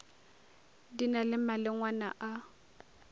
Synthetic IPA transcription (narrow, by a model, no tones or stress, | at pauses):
dinalɪmalɪŋwana̰ʔa